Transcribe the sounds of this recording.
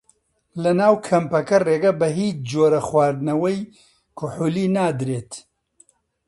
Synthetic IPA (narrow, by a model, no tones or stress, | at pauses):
lɐnaːwkʰɐmpɐkɐreːɡɐbɐɦiːt͡ʃd͡ʒoːɾɐxwaːɾd̪nɐwɐj | kʰuħuliːnaːd̪ɾeːt̪